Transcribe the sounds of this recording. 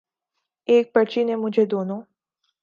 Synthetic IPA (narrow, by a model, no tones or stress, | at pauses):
ek̚pət͡ʃinemud͡ʒed̪onu